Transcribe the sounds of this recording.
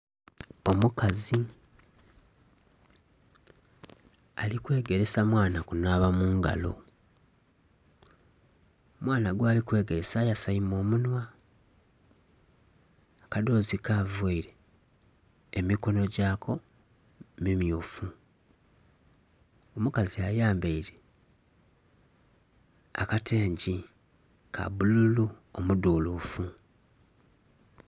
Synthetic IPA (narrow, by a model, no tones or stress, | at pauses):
o̞mukazi | alikwe̞ːɡe̞ɾe̞samwaːnakunaβamuːŋɡa̰lo̞̰ | omwaːnaɡwaːlikwe̞ːɡe̞ɾe̞saːjasaimo̞ːmunwa | akado̞ːzikaveiɾe̞ | miko̞no̞ɟaːkʰo̞ | mimjufu | omukaziajaːmbeiɾe̞ | akatʰe̞ːɲɟi | kʰa̰bululuomuduːlufu